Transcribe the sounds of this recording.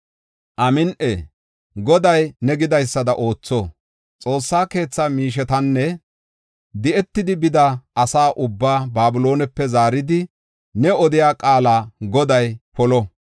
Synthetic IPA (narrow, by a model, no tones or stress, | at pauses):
ʔɐmɪnʔe | ɡɔd̪ɐjnɛɡɪd̪ɐjsːɐd̪ɐʔo̞ːt͡sːɔ | t͡sʼo̞ːsːaːke̞ːt͡sːaːmiːʃ̬ɛt̪ɐnːɛ | d̪ɪʔɛt̪ːɪd̪ɪbɪd̪ɐʔɐsaːʔʊbːaːbaːbʊlo̞ːnɛpːɛzaːɾɪd̪ɪ | nɛɔd̪ɪjaːkʼaːlaːɡɔd̪ɐjpɔlɔ